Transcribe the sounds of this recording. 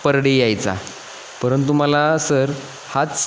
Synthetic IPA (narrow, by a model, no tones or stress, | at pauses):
pəɾɽejajt͡sa̰ | pəɾənt̪̬uməlasəɾ | hat͡s